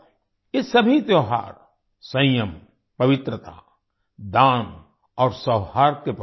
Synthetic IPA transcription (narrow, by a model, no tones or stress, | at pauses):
ɪsɐbʱit̪joːɦa̰ːɾ | sə̃jəm | pɐʋɪt̪ɾət̪a̰ | d̪ãːn | ɔːɾsəːhaːɾkep